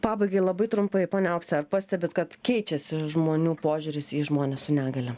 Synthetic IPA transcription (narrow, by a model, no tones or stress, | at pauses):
pɑːbɐɪɡɐɪlˠɐbɐɪt̪ɾʊmpɐɪpoːnʲɛɐʊksʲɛɐɾpɑsʲt̪ʲɛbʲɪt̪kɐt̪kʲɛɪt͡ʃʲɛsʲɪʒmoːnʲuːpoːʒʲʊɾʲɪsiːʒmoːnʲessʊnʲæːɡɐlʲɛ